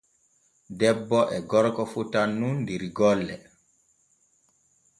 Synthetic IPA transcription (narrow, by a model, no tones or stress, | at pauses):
dɛbːɔʔɛɡɔɾkɔfutanːunːdiɾiɡɔlːɛ̰